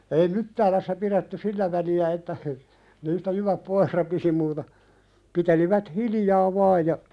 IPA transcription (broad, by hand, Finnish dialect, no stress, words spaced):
ei mytːæːlæsːæ piɾetːy silːæ ʋæliæ etːæ niːstæ jyʋæp poih rɑpisi muːtɑ piteliʋæt hilijɑː ʋɑːj jɑ